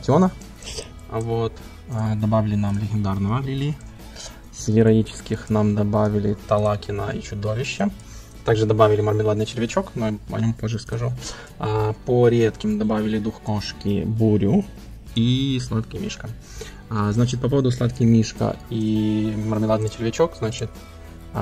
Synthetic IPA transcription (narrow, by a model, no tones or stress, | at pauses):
tʲonə | vot̪ː | d̪ɐbavʲɪlʲɪnamlʲɪɡʲɪnd̪arnəvəlʲɪlʲi | svʲɪɾɐit͡ɕɪ̥skʲɪxnamd̪ɐbavʲɪlʲɪt̪ɐlˠakʲɪnə̰ḭt͡ɕʊd̪ovʲɪɕːə | t̪aɡʐɨd̪ɐbavʲɪlʲɪmərmʲɪlˠad̪nɨjt͡ɕɪɾʲvʲɪt͡ɕoknojɐ̰nʲo̞mpoʐːɨskɐʐu | poɾʲet̪kʲɪmd̪ɐbavʲɪlʲɪd̪uxkoʂkʲɪ̰buɾʲʊ | islˠat̪kʲɪmʲḭʂkə | znat͡ɕɪt̪̚pɐp̬o̞vəd̪ʊslˠat̪kʲɪmʲiʂkə̰imərmʲɪlˠad̪nɨjt͡ɕɪɾʲvʲɪt͡ɕokznat͡ɕɪt̪